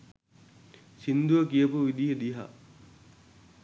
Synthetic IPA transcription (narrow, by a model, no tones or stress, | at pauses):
sind̪uʋəkijəpuʋid̪ijəd̪iɦa̰